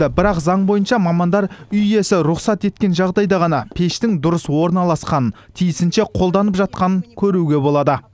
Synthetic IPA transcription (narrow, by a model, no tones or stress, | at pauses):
ɪbɪɾɑqzɑɴbo̞jənʃɑmɑmɑnd̪ɑɾʏje̞sɪɾʊχsɑt̪e̞t̪̚kʲe̞nʒɑʁd̪ɑjd̪ɑʁɑnɑpʰe̞ʃt̪ɪŋd̪ʊɾəswo̞ɾnɑlˠɑsqɑnən | t̪ʰijɪsɪnʃe̞qʰolˠd̪ɑnəpʒɑt̪̚qɑnəŋkʲʰɵɾuɡʲe̞bo̞lˠɑd̪ə